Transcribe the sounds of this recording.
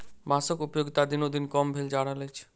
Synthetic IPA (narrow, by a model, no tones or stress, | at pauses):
masokupjoɡit̪ad̪inod̪inkɔmbʱeld͡ʑaɽalet͡ɕʰ